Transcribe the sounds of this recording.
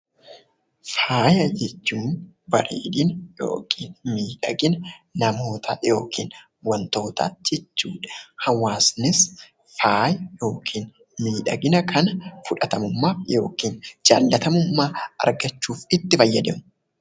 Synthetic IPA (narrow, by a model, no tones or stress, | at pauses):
faːjɐd͡ʒɛt͡ʃːuːmbɐɾiːᶑ̪ɪnjo̰ːkʰiːnmiːᶑɐɡɪnɐnɐmo̞ːt̪ʰɐjo̞ːkʰiːn | wɐnt̪o̞ːt̪a̰ːd͡ʒɛt͡ʃːuːᶑɐ̥hɐwaːsnɪs | faːjɐjo̞ːkʰiːn | miːᶑɐɡɪnɐkʰɐnɐfʊᶑɐt̪ɐmʊmːaːfjo̞̰ːkiːnd͡ʒa̰ːlːɐt̪ɐmʊmːaːɐ̰ɾɡɐt͡ʃːuːfɪt̪ːɪfɐjːɐd̪ɛmʊ